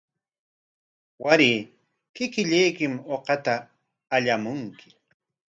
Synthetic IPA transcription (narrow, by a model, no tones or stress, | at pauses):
waɾiː | kɪkɪʎajkɪmoqɑt̪aː | ʎamʊŋkʰɪ̥